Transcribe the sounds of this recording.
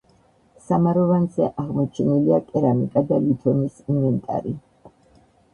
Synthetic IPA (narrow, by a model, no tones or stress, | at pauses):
samaɾɔvanzɛ̰ʔaʁmɔt͡ʃʰɛniliakʼɛɾamikʼad̪alit̪ʰɔnisimɛnt̪ʼa̰ɾi